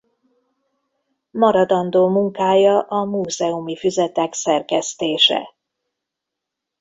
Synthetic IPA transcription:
mɒɾɒd̪ɒnd̪oːmuŋkaːjɒʔɒmuːzɛumifyzɛt̪ɛksɛrkɛst̪eːʃɛ̰

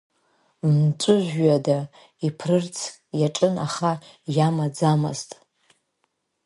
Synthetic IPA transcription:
mt͡ʃʷʼʊʒʷᶣɥada | ipʰrɨrt͡sʰʼ | jaʈ͡ʂʼɨna̰χa | jamad͡zama̰ztʼ

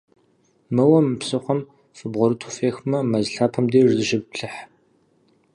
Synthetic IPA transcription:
mɨwɐmpsɨχʷɔm | fɨbʁʷɔɾɨtʰʊfeːxmɐmɐzɬaːpʰɐmdeːʐzɨʒɪbɬɨħ

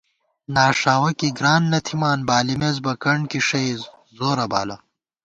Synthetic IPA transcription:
naːʂaːwɐkiɡɾaːnːɐt̪ʰimaːnbaːlimezbɐkɐɳkiʂɐj | zoːɾɐba̰ːlɐ

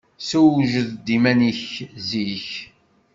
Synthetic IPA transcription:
suwʒəðd̪imæniçziç

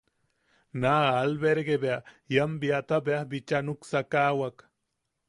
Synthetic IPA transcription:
naːlbeɾɡebea | jambiat̪abeahbit͡ʃanuksakaːwak

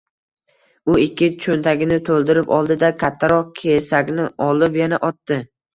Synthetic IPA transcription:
ʊɪkʲʰːɪt͡ʃʰont̪ʰaɡʲɪnɪt̪ʰolˠd̪ɪɾɪpɒlˠd̪ɪd̪akʲʰat̪ʰːaɾɒq̚kʲʰe̞saɡʲnɪɒlˠɪpjanaʔɒt̪ːɪ

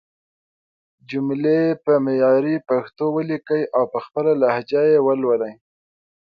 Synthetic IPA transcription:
d͡ʒumleepəmejɑɾipaxt̪owəlikəjʔawpəxpəlalahd͡ʒajewəlwəlaj

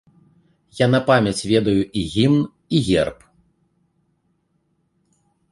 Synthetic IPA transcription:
janɐpamʲɐt͡sʲvʲɛd̪ɐjuʔiɣʲimn | iɣʲɛ̰rp

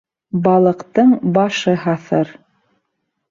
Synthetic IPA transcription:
bɑlˠɤ̆qt̪ɤɴbɑʃɤɦɑθɤɾ

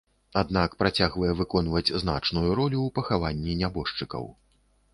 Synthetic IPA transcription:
ad̪̚nakpɾat͡sʲaɣvɐjɛvɨkɔnvɐd͡zʲzn̪a̰t͡ʂnujuɾɔlʲuwpɐxavanʲːinʲabɔʂt͡ʂɨkɐ̰w

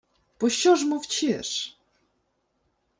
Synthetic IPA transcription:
pɔɕɔʐmuft͡ɕɛʂ

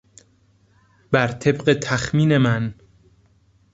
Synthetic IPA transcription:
b̥æɾt̪ʰe̞bɢet̪ʰæxmiːne̞mæn

